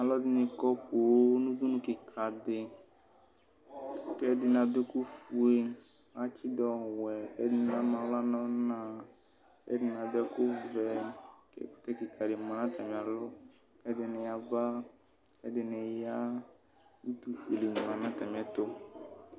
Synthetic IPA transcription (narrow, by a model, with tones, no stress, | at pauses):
a˨lɔ˦dɪ˦nɪ˨kɔ˦po˨o˦nu˦du˦nu˦kɪ˨kʰa˨dɪ˨ | kɛ˦dɪ˨na˨dɛ˦ku˦fu˨e˨ | a˦t͡ʃɪ˦dɔ˨wɛ˨kɛ˦dɪ˨nɪ˨a˦ma˨˦la˦nɔ˦na˨ | kɛ̰˦dɪ˨na˨dɛ˦kʊ˦vɛ˨kɛ̰˦tɛ˦kɪ˨ka˨dɪ˨ma˨na˦tɛ˨mɪ˨a˨lɔ˦ | kɛ˦dɪ˨nɪ˨ja˨ba˦ | kɛ˦dɪ˨nɪ˨ja˦ | u˦tu˨fe˨le˨ni˨ma˨nã˦tɛ˨m˨˦ɛ˦t̪ʊ˦